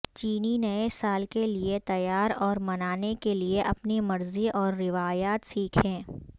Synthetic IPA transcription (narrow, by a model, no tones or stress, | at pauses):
t͡ʃiːninɐesaːlkeliet̪ɐjaːɾɔːɾmɐnaːnekelieʔɐpnimɐɾziʔɔːɾːɪʋaːjaːt̪siːkʰẽː